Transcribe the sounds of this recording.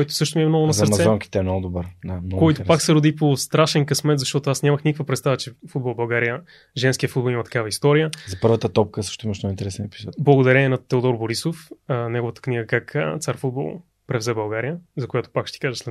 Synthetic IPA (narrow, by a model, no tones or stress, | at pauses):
kɔjt̪ʊ̥sɤʃt̪ʊmiɛmnɔɡʊnɐzəɾsmɐɛzɔŋkʲi̥t̪ɛɛmnɔɡʊd̪obəɾd̪amnɔɡkːɔjt̪opaksɛɾʊd̪ipost̪ɾaʃɛnkɐsmɛt̪zɐʃt̪ɔt̪ʊasnʲaməxnikəkvəpɾɛt̪st̪avət͡ʃɛfud̪bolˠbɐlˠɡaɾijə | ʒɛnskijəfud̪bɐlˠimɐt̪ɐ̥kavəist̪ɔɾijəzɐpɤɾvət̪ət̪ɔp̚kəsɤ̥əʃt̪oʊiməʃnɔint̪ɛɾɛsɛnɛpi̥zɔt̪blˠɐɡʊd̪ɐɾɛnʲiɛnɐt̪ɛod̪ɔɾboɾisofənɛɡovət̪ə̥kniɡəkakə̰t̪saɾfud̪̚bo̰lˠ | pɾɛvzɛbɐlˠɡaɾijəzɐkojat̪ʊ̥pakʃɛt̪i̥kaʒəslɛ